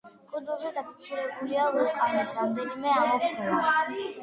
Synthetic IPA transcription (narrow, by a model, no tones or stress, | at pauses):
kʼid̪zulˠzɛd̪apʰi̥k̪sʰiɾɛbuliavɛqʼanasɾamd̪ɛnimɛamɔp̪ʰɛa